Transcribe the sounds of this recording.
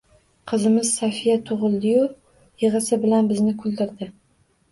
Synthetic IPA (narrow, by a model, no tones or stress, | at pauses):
qʰɨzɪmɪz̥safijat̪ʰʊʁɨlˠd̪ɪjʊ | jɨʁɨsɪbɪlanbɪznɪkʰʊlˠd̪ɪɾd̪ɪ